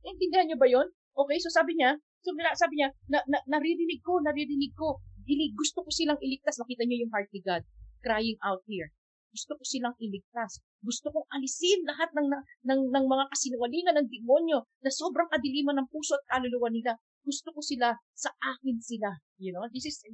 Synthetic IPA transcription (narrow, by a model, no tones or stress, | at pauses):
ʔɪnt̪ɪnd̪ɪhanɲobɐjo̞n | ʔo̞ːkɛjso̞saːbɪɲa | sonɐasaːbɪɲanɐnɐnɐɾɪɾɪnɪɡ̚ko̞nɐɾɪɾɪnɪɡ̚ko̞ɡ̪ɪlɪɡʊst̪oko̞sɪlaŋʔɪlɪɡ̚t̪asnɐkiːt̪ɐɲo̞jʊŋɦaɹt̪̚lɪɡad̪̚kɾaːjɪŋʔawt̪̚hiɹ | ɡ̥ʊst̪okosɪlaŋʔɪlɪɡ̚t̪as | ɡʊst̪okoŋʔɐlɪsɪnlɐɦat̪̚nɐŋnɐnɐŋnɐŋmɐŋakɐsɪnʊwɐliːŋɐnːɐŋd̪ɪmo̞njo̞nɐso̞bɾɐŋkɐd̪ɪliːmɐnɐŋpuːso̞ʔɐt̪̚kaːloluːwɐnɪla | ɡ̥ʊst̪okosɪlasɐʔaːkɪnsɪla | jʊnod̪ɪsɪs